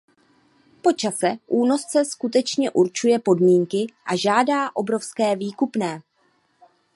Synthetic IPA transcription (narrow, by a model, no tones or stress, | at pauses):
po̞t͡ʃasɛʔuːno̞st͡sɛskut̪ɛt͡ʃɲɛʔuɾt͡ʃujɛpo̞dmiːŋkɪʔaʒaːdaːʔo̞bɾo̞fskɛːviːkupnɛː